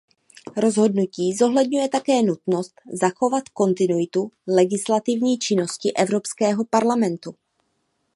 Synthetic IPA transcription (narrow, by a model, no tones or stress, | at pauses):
ɾo̞zɦo̞dnuciːzo̞ɦlɛdɲujɛt̪akɛːnut̪no̞st̪zaxo̞vat̪ko̞nt̪ɪnujɪt̪ulɛɡɪslat̪ɪvɲiːt͡ʃɪno̞scɪʔɛvɾo̞pskɛːɦo̞paɾlamɛnt̪u